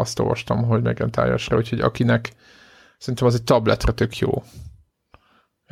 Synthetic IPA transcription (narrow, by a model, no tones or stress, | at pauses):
ɒst̪o̞̰ːlvɒʃt̪ɒmɦo̞ɟmɛɡɛnt̪a̰ːja̰ʃrɒ̰ucʰho̞ɟɒ̰kinɛk | sɛrint̪ɛmɒzeɛc̚ʲt̪ɒblɛt̪rɛt̪ø̞kʰjo̰ː